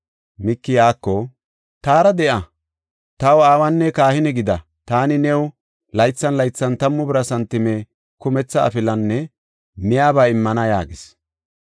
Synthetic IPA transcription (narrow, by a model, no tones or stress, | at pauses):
mɪkːɪjaːkːɔ | t̪aːɾɐd̪ɛʔɐ | t̪ɐwaːwɐnːɛkaːhɪnɛɡɪd̪ɐ | t̪aːnɪnɛw | lɐjt͡sːɐnlɐjt͡sːɐnt̪ɐmːʊbɪɾɐsɐnt̪ːɪmɛ | kʊmɛt͡sːɐ̰ːfɪlɐnːɛ | mɪjaːbɐɪmːɐnɐja̰ːɡɪs